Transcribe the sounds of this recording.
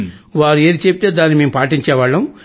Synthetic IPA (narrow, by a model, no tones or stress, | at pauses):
ʋaːɾueːd̪it͡ʃepit̪e̞ːd̪aːnːimeːmupaːʈiɲt͡ʃɛːʋaɭːɐm